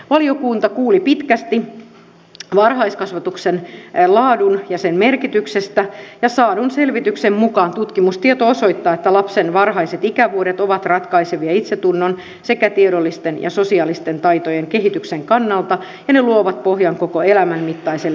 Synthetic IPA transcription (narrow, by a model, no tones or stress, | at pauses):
ʋɑliokuːnt̪ɑkuːlipit̪kæst̪i | ʋɑrhɑiskɑsʋɑt̪uksenlɑːdunjɑsenmerkit̪yksest̪æjɑsɑːdunselʋit̪yksemmukɑːnt̪ut̪kimust̪iet̪oosoit̪ːɑːet̪ːælɑpsenʋɑrhɑiset̪ikæʋuoɾet̪oʋɑt̪rɑt̪kɑiseʋiɑit̪set̪unːon | sekæt̪ieɾolːist̪enjɑ̰sosiɑːlist̪ent̪ɑit̪ojeŋkeɦit̪ykseŋkɑnːɑlt̪ɑ | jɑneluoʋɑt̪̚pohjɑŋkokoelæmæmmit̪ːɑisel